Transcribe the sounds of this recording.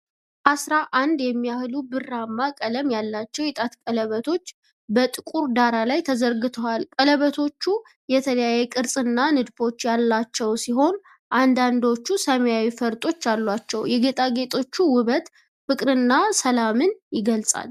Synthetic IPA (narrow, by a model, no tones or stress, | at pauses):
ʔasɾaʔand̪jɛmːijahlubɨramːakʼələmjalːat͡ʃːɛwjɛt̪ʼat̪kʼələβət̪ʰo̞t͡ʃː | bət̪ʼɨkʼuɾd̪aɾalajt̪ʰəzəɾɡɨt̪ʰəwalkʼələβət̪ʰo̞t͡ʃːu | jɛt̪ʰələjajɛkʼɨɾsʼɨnːanɨd̪fo̞t͡ʃːjalːat͡ʃːɛwsiɦo̞n | ʔand̪and̪o̞t͡ʃːusəməjawifəɾt̪ʼo̞t͡ʃːjalːwat͡ʃːɛwjɛɡe̞t̪ʼaɡe̞t̪ʼo̞t͡ʃːuwʊβət̪ | fɨkʼɾɨnːasəlamɨnjɪɡəlsʼa̰l